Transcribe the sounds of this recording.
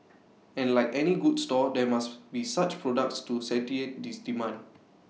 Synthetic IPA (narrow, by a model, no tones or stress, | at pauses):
ɛ̃nlaɪkɛniɡudstɔdɛmasbisat͡ʃpɹɔdak̚tstusɛtiet̚disdimãnd